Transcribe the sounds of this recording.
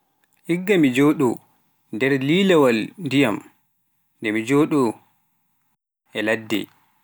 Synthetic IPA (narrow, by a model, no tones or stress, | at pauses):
ʔiɡːamid͡ʒoːɗɔ | ndɛɾlilɛwalndijam | ndɛmid͡ʒoːɗɔ | ʔɛladːɛ̰